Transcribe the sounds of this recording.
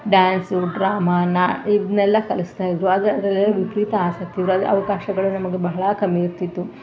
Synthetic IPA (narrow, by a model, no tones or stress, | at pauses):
ɖaːnsuɖɾaːmaːnːɐid̪nɛlːɐkɐlist̪aːjid̪ɾuɐd̪ɐd̪ɾɐlːlːɐʋipɾit̪ɐaːsɐkt̪iʋɾuɐd̪ʔɐ̰ʋɐkaːʃɐɡɐɭunɐmɐɡebɐɦɐɭɐkɐmiiɾt̪it̪ːu